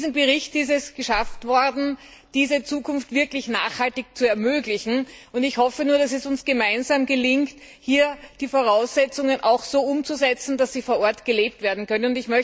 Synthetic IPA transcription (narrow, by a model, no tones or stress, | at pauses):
zm̩bəʁɪçtɪs̬tɛsɡ̥əʃaftv̥ɔɐdn̩ | d̥iːzət͡suːkʰʊnftv̥ɪɐklɪçna̰ːχhaltɪçt͡suɛɐmøːɡlɪçn̩ʔʊntɪçhɔfənuːɐd̥as̬ɛsʊnsɡ̥əmaɪnzaːmɡəlɪŋkt | hiːɐd̥iːfoʁaʊsz̥ɛt͡sʊŋənʔaʊxz̥oːʊmt͡suzɛt͡sn̩dasz̥iːfoːɐʔɔɐtɡ̥əleːp̚tv̥eːɐdn̩kʰœnənʊntɪçmœç